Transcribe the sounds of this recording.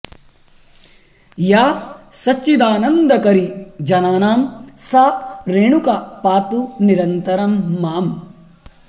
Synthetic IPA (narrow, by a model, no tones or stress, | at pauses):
jaːsɐt͡ʃːid̪aːnɐnd̪ɐkɐɾid͡ʒɐnaːnaːmsaːɾeːɳukapaːt̪uniɾɐnt̪ɐɾɐmːaːm